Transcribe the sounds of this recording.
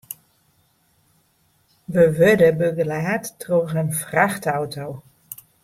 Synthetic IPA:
ʋəʋødəbøɡəlaːtːroxənfraxtawtʰow

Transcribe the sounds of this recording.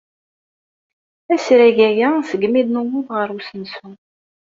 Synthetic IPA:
æsɾæʝæjæsəɡmiðnuwuðʁəɾˤusənsun

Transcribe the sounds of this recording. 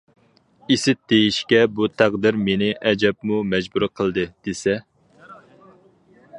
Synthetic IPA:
isɪt̪̚d̪̥ejiʃkʲɛbut̪ʰæʁd̪ɪɾmenɪʔɛd͡ʒɛp̚mumɛd͡ʒbuɾɨqʰəlˠd̪ɨd̪̥esɛ

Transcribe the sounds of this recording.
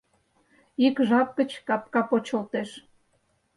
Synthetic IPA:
ikʒɑp̚kə̆t͡ɕkɑp̚kɑpot͡ɕŏlt̪eʃ

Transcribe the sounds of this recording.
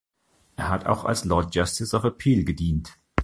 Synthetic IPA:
ʔeːɐɦatʰa̰ʊxa̰lslɔɐt̚d͡ʒ̥astɪsaʊfəpʰiːlɡədiːnt

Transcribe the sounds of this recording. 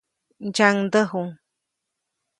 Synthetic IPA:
d͡ʒaŋd̪əɦuŋ

